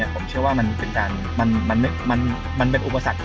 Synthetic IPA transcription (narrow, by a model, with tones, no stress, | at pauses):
ɐpʰo˩˦mt͡ɕʰɯ˥˩ɐwaː˥˩ma˧npe˧nkaː˧n | ma˧nma˧nma˥˩ma˧n | ma˧np̬e˧nʔu˨˩pa˧sa˨˩k̪̚